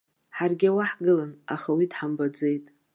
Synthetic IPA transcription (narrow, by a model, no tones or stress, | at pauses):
ħarɡʲawaħɡɨlanaχawidħambad͡zejtʼ